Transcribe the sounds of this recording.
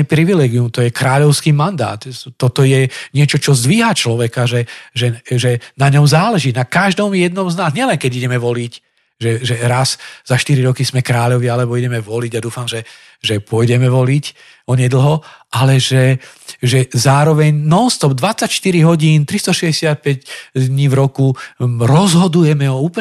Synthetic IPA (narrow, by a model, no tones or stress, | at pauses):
ɛpɾiʋilɛːɡiumt̪ɔjɛkɾaːʎɔʊskiːmand̪a̰ːt̪ːɔt̪ɔjɛɲɪɛt͡ʃɔt͡ʃɔzd̪ʋiɦat͡ʃlɔʋɛkaʒɛʒɛʒɛnaɲɔmzaːlɛʒiːnakaʒd̪ɔmjɛd̪̚nɔmznaːzɲɪɛlɛŋkɛɟiɟɛmɛʋɔlic | ʒɛʒɛɾazz̥aʃt̪iɾiɾɔkismɛkɾaːʎɔʋialɛbɔiɟɛmɛʋɔliɟad̪uːfamʒɛ | ʒɛpʊɔjdɛmɛʋɔlic | ɔɲɛd̪l̩ˠɦɔʔalɛʒɛʒɛzaːɾɔʋɛɲnɔnst̪ɔbd̪ʋat͡sːacʃt̪iɾiɦɔɟiːnt̪ɾist̪ɔʃɛzɟɛsɪat̪̚pɛɟd̪ɲiːvɾɔkuɾɔzɦɔd̪ujɛmɛɔuːpl